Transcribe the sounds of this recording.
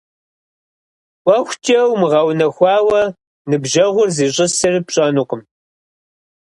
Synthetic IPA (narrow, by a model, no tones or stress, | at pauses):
wʷɐxʷt͡ʃʰʼɐwmɨʁɐwnɐxʷɑːwɐ | nɨbʒɐʁʷʊrziːɕʼɪsɨrɨpɕʼɐnuːqəm